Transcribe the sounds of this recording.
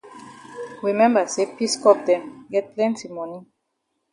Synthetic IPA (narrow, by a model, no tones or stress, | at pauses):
ɹimɛ̃mbəsepiskɔp̚dɛ̃mɡɛt̚pʰlɛ̃ntimɔni